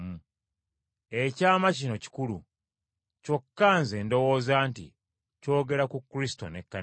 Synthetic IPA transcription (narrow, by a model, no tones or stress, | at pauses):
mu | e̞caːmacino̞ci̥kulṵ | co̞kːaːnze̞ːndo̞wo̞ːzaːntḭ | co̞ːɡe̞ɾakukːɾisi̥to̞̰nekːa